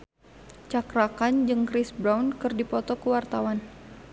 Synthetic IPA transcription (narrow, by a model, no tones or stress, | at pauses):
t͡ʃakɾakand͡ʒɨŋkɾɪsbɾawnkɨrdipɔt̪ɔkəwart̪awan